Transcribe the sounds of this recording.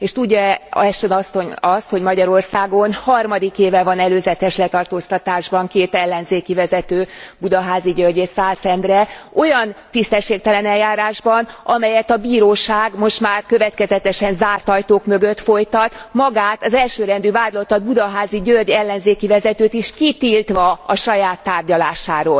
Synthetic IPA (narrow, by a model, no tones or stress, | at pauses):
eːʃt̪uɟːɒɛʃt̪ønɒsːo̞ɲɒst̪ho̞ɟmɒɟɒɾo̞rsaːɡo̞nhɒrmɒd̪ikeːvɛvɒnɛløːzɛt̪ɛʃlɛt̪ɒrt̪oːst̪ɒt̪aːʒbɒŋkeːt̪ɛlːɛnzeːkivɛzɛt̪øːbud̪ɒɦaːziɟørɟeːt̪saːsɛnd̪rɛo̞jɒnt̪ist̪ɛʃːeːk̚t̪ɛlɛnɛlːaːɾaːʒbɒnʔɒmɛjɛt̪ɒbiːɾoːʃaːɡmo̞ʃt̪maːrkø̞vɛt̪kɛzɛt̪ɛʃɛnzaːrt̪ɒjt̪oːkmø̞ɡø̞t̪fo̞jt̪ɒt̪mɒɡaːt̪ɒzɛlʃøːɾɛnd̪yːvaːd̪lot̪ɒd̪̚bud̪ɒɦaːziɟørɟɛlːɛnzeːkivɛzɛt̪øːt̪iʃkit̪iːlt̪ʋɒɒʃɒjaːt̪ːaːrɟɒlaːʃaːɾoːl